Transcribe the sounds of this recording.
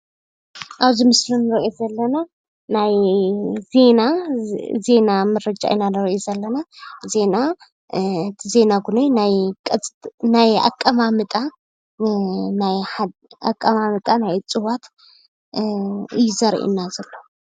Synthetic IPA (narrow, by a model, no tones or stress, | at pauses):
ʔaβzimɨslunɨɾʔezɐlːɐna | naj | ze̞na | ze̞namɐɾɐd͡ʒʼa̰ʔnanɨɾʔozɐlːɐnaze̞na | ɨt̪ʰize̞naɡunojnajkʼt͡sʼnaja̰kʼːɐmamɨt̪ʼa | najħad̪a̰kʼːɐmamɨt̪ʼanajt͡sʼɨwat̪ | ɨjɪzɐɾ̰ʔḭnːazɐlːo